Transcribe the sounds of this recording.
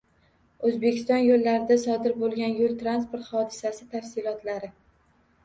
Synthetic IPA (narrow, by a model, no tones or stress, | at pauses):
ɵzbekʲɪst̪ɒnjolːaɾɪd̪asɒd̪ɪɾbolˠɡʲanjolˠt̪ɾanspoɾt̪hɒd̪ɪsasɪt̪ʰafsɪlɒt̪laɾɪ